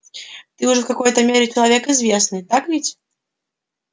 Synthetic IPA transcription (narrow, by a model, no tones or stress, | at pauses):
t̪ɨʊʐɛfkɐko̞jt̪əmʲeɾʲɪt͡ʃɪlˠɐvʲekɪzvʲe̞snɨjt̪akvʲitʲ